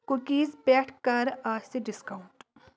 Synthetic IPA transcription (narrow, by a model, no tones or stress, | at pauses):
kukiːzpʲɛːʈkaɾaːsiɖiskauɳʈ